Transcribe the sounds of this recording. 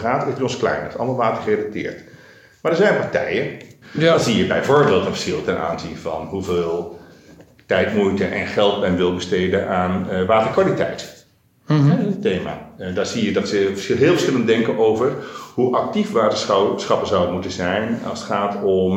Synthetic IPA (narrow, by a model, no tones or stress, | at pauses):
χaːtəɪdiɔnsklɛ̰jnətɑlˠmɑlˠʋaːtərχəredak̚tɪ̰ːɹt | maɹdəɹzɛjnpɑɹtɛ̰jədz̥ijəbɛjvʊːɹbeːlˠtənfə̥sχɪlˠtɛnʔa̰ːnzinvɑ̰nɦuveːlˠ | tɛjtmujtəʔɛ̰nχɛlˠt̚bɛnʋɪlˠbəsteːdənʔaːnʋaːtəkʋaːlitɛ̰jt | ɛteːma̰ːdaːɹz̥ijədɑtsəɦɪːlˠfərsχɪləndɛŋkənowvərhuʔɑk̚tifʋaːtəssχɑpəzawəmutəzɛjnɑ̰lˠsətχaːtɔm